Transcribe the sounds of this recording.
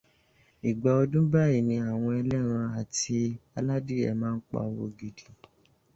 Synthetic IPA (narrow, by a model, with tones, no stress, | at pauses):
i˨ɡ͡ba˨o˧dũ˦ba˦˨i˦˨nĩ˧a˨w̃ɔ̃˧ɛ˧lɛ˦ɾ̃ã˧a˨ti˧a˧la˦di˦ɛ̰˨mãː˦n̩˦k͡pa̰˧˦o˧wo̰˧ɡi˧di˨